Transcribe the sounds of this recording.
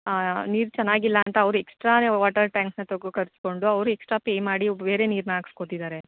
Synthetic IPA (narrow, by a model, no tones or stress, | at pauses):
niːɾt͡ʃɐnːaːɡilːɐːnt̪ɐːʋɾueksʈɾaːneʋaːʈɐɾʈaːŋksnɐt̪oɡokɐɾsko̞ɳɖuɐʋɾueksʈɾaːpeːjmaːɽibe̞ːɾe̞niːɾnaːkskot̪id̪aːɾe̞